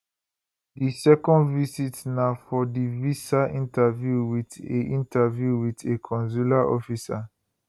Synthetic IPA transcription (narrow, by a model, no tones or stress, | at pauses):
disɛkɔ̃ndvisitnafɔdivisaʔĩntavjuwiteʔĩntavjuwitekʰɔ̃ns̬ulaʔɔfisa